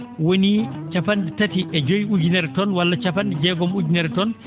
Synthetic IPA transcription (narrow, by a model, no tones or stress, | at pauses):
wonit͡ʃafandɛtatiʔɛd͡ʒojud͡ʒinɛɾtɔnwalːat͡ʃafand͡ʒɛɡɔmud͡ʒinɛɾtɔn